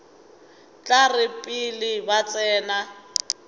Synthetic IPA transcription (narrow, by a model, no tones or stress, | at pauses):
t͡ɬʼarɪpʼilɪbat͡sʼɛːna